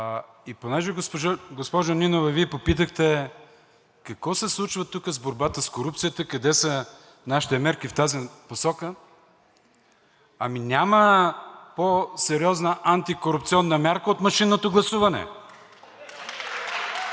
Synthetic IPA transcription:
iponɛʒɛɡospoʒaɡospɔʒoninovɐviɛpopit̪̬əxt̪ɛ | kɐkvɔsɛslˠut͡ʃvət̪ukəzboɾbat̪əskoɾup̚t̪sijət̪əkɐd̪ɛsə | naʃi̥t̪ɛmɛɾk̟ift̪aziposɔkə | ɐminʲaməposɛɾiɔznəʔant̪ikoɾup̚t̪siɔnːəmʲjaɾkəot̪mɐʃinːot̪oɡlˠɐsuvɐnɛ̰

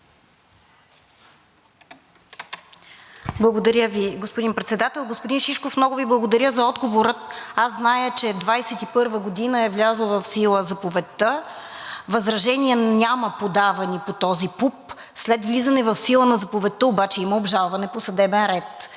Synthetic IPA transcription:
blˠɐɡod̪ɐɾʲjəviɡospod̪inpɾɛt̪sɛd̪at̪ɛlˠɡospod̪inʃiʃkofmnɔɡʊviblˠɐɡod̪ɐɾʲəzɐɔd̪ɡovoɾət̪aszznajət͡ʃɛd̪vajsɛt̪ipɤɾvəɡod̪inəɛvlʲazəlˠvɐfsilˠəzɐpovɛt̪ːə | vɐzɾɐʒɛniɛnʲaməpod̪avɐnipot̪ɔzipup | slɛt̪vlʲizɐnɛvɐfsilˠənɐzɐpovɛt̪ːəobat͡ʃɛiməobʒalˠvɐnɛposɐd̪ɛbɛnɾɛt̪

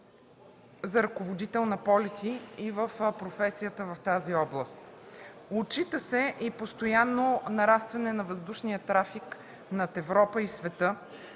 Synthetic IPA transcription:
zɐɾɐkovod̪it̪ɛlˠnɐpɔlɛt̪iivəfpɾofɛsijət̪əvɐft̪aziɔblˠəst̪ot͡ʃit̪əsɛʔipost̪ojanːonɐɾast̪vɐnɛnɐvəzd̪uʃnijət̪ɾafik | nɐt̪ɛvɾɔpəisvɛt̪ɤ

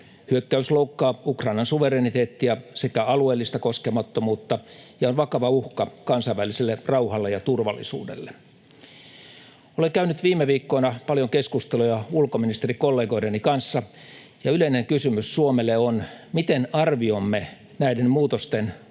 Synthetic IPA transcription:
hyøkːæysloukːɑːukrɑinɑnsuʋeɾenit̪eːt̪ːiɑsekæɑlueːlːist̪ɑkoskemɑt̪ːomuːt̪ːɑjɑonʋɑkɑʋɑuhkɑkɑnsɑiʋæliselːerɑuhɑlːejɑt̪urʋɑlːˑḭsṵːdḛlːe | oleŋkæynyt̪ʋiːmːeʋiːkːoːnɑpɑljoŋkeskust̪elujɑulkominist̪erikolːeːɡo̞idenikɑnsːɑ | jɑyleineŋkysymyssuomelːeonmit̪enɑrʋiomːe | næidenmuːt̪ost̪en

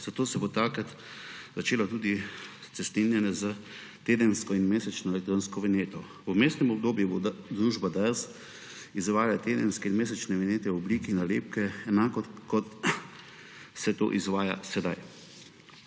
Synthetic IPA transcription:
z̥at̪oːsɛbot̪akɾat̪ | zat͡ʃeːlɔt̪uːd̪ist̪sɛst̪ninjɛnɛza | t̪eːd̪ənskɔinmeːsɛt͡ʃnɔɛlɛkt̪ɾoːnskɔʋɛneːt̪ɔ | umeːst̪nɛmɔb̚d̪oːbjubod̪ɾuːʒbad̪aɾs | izʋaːjlat̪eːd̪ənskɛinmeːsɛt͡ʃnɛʋɛneːt̪ɛɔbliːkinaleːp̚kɛɛnaːkɔkɔt̪ | sɛt̪o̰ːʔizʋaːja̰sɛd̪aj

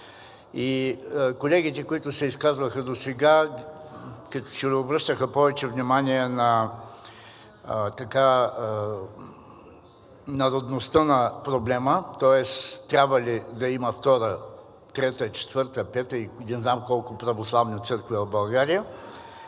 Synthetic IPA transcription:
ikolɛɡʲit̪ɛkoit̪ʊsɛiskazvəxəd̪osɛɡa | kɐt̪ɔ̥sɛlobɾɤʃt̪əxəpɔvɛt͡ʃɛvnimaniɛnɐ | t̪ɐka | nɐɾod̪nost̪ənɐpɾoblɛmət̪ɔɛst̪ɾʲabvɐlʲid̪ɐimɐft̪ɔɾə | t̪ɾɛt̪ət͡ʃɛ̥t̪vɤɾt̪əpɛt̪əinɛznamkɔlˠkʊpɾɐvoslˠavnit̪sɤɾkvɛvɐbɐlˠɡaɾijə

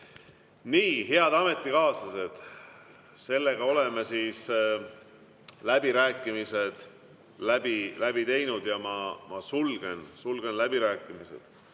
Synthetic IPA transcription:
niːɦeɑd̪̥ɑme̞t̪ˑːikɑːsɑse̞d̪̥ | se̞lːe̞ɡ̥ɑo̞le̞mesiːs | læb̥iɾæːkːˑimise̞d̪̥ | læbilæb̥it̪e̞jnud̪jɑmɑmʔɑsulɡ̥e̞nsulɡ̥e̞nlæbiɾæːkːˑimisḛd̪̥

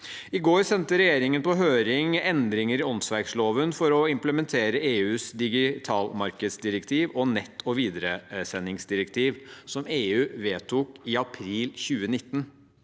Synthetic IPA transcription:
ɪɡoːɾsɛnt̪əɾɛjeːɾɪŋənpɔɦøːɾɪŋɛnd̪ɾɪŋəɾɪɔnsʋæɾksloːʋənfɔɾɔɪmpləmɛnt̪ʰeːɾəeːʉːsd̪ɪɡɪt̪ʰɑːlmɑɾkəd̪sd̪ɪɾəkt̪ʰiːʋɔnɛt̪ʰːɔʋiːd̪əɾəsɛnːɪŋsd̪ɪɾəkt̪ʰiːʋsɔmeːʉːʋeːt̪ʰʊkɪɑpʰɾiːlçʉːənɪt̪ːən

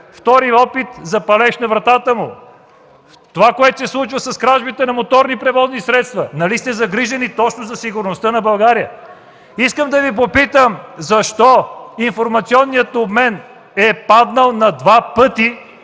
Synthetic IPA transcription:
ft̪ɔɾiɔpit̪zɐpɐlɛʃnɐvɾɐt̪at̪əmʊ | t̪ovakoɛt̪o̥sɛslˠut͡ʃvəsɐskɾaʒbit̪ɛnɐmot̪ɔɾnipɾɛvɔznisɾɛt̪st̪vɐnɐlist̪ɛzɐɡɾiʒɛnit̪ɔt͡ʃnozɐsiɡʊɾnost̪ənɐbɐlˠɡaɾijə | iskəmd̪ɐvip̬opit̪əmzɐʃt̪ɔinfoɾmɐt̪siɔnːijət̪obmɛn | ɛpad̪nəlˠnɐd̪vapɤt̪i

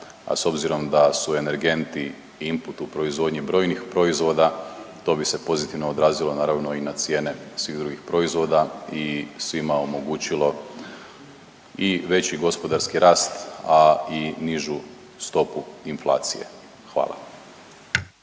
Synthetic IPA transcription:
a̰so̞bziɾo̞md̪asue̞ne̞ɾɡe̞nt̪i | imput̪upɾo̞izʋo̞d̪ɲibɾo̞ːjnixpɾo̞izʋo̞ːd̪at̪o̞bise̞po̞zit̪iʋno̞od̪ɾaːzilˠo̞naːɾaʋno̞inat̪sje̞ːne̞sʋiɣd̪ɾuɡixpɾo̞izʋo̞ːd̪aisʋimao̞mo̞ɡuːt͡ɕilo̞ | iʋe̞t͡ɕiɡo̞spo̞d̪aɾskiɾaːst̪ainiʒu | st̪o̞puinflˠa̰ːt̪sije̞̰ | xʋa̰ːlˠa̰

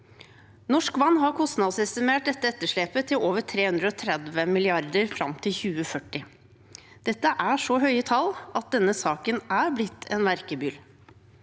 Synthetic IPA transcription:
nɔʂkʋɑnːɦɑɾkʰʊst̪nɑd̪sɛst̪ɪmeːʈ̚d̪ɛt̪ːəɛt̪ːəʂɭeːpət̪ʰɪloːʋəʈʰɾeːhʉnd̪ɾəɔt̪ʰɾɛd̪ʋəmɪlɪɑɾd̪əɾfɾɑ̰mt̪ʰɪlçʉːəfœʈːɪ | d̪̥ɛt̪ːəʔæʂɔɦœʏət̪ʰɑlɑt̪̚d̪ɛnːəsɑːkənæɾblɪt̪ʰːɛnmæɾkəbʏl

